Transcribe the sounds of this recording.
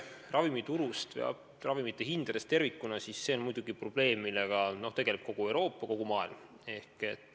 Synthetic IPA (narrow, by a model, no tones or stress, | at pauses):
rʔɑvimit̪uɾust̪vḛɑ̰ | rɑvimit̪ːˑe̞hind̪̥ɑd̪est̪e̞rvikːˑunɑsisːe̞o̞nmujd̪uɡ̥iprob̥le̞ːmmːileɡ̥ɑno̞ht̪e̞ɡ̥e̞lep̚ko̞ɡ̥ue̞wɾo̞ːpːˑɑko̞ɡ̥umɑːilm | e̞hke̞t̪ːˑ